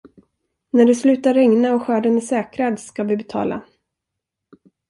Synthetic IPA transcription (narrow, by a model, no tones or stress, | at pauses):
næɖɵslʉ̟ːt̪aɾːɛŋnaɔɧœːɖənɛsɛːkɾad̪skavɪbɛt̪ʰɑ̰ːla̰